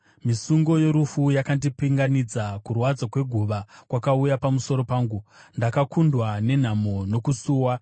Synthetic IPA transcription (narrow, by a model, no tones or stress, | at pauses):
misuŋɡo̞jo̞ɾufujakandipiŋɡanid͡zakurwad͡zakwe̞ɡʱuʋakwakaujapamuso̞ɾo̞paːŋɡundakakundwane̞n̤amo̞no̞kusuːwa